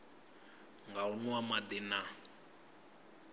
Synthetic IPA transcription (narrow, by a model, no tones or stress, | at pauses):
ŋɡaunwamad̪ɪna